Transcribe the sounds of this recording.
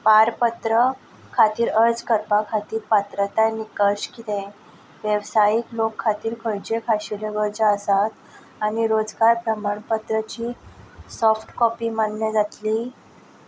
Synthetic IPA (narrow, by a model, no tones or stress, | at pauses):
paɾpət̪ɾə | kʰat̪iːɾəɾd͡zkəɾpakʰat̪iːɾpat̪ɾət̪anikəɕkit̪ẽ | ʋjəʋsajiklokʰːat̪iːɾkʰəɾd͡ʑekʰaɕileʋəɾd͡zəəsat̪ | añiɾod͡zɡaɾpɾəmaɳpət̪ɾət͡ɕiːsɔfʈkɔpiːmənljad͡zat̪liː